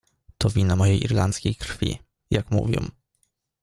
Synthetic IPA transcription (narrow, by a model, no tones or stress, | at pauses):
t̪ɔvʲinamɔjejʔḭɾlant̪skʲejkɾfʲḭ | jakmṵvʲjɔ̰m